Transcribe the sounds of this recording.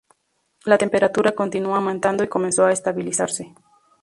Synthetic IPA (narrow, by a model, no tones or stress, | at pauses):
lat̪e̞mpe̞ɾat̪uɾako̞nt̪inuamãnt̪and̪o̞iko̞menso̞aest̪aβilisaɾse̞